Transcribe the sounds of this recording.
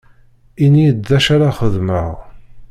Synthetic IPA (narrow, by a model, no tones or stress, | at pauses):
inijədːæʃaɾaχəðmə̰ʁ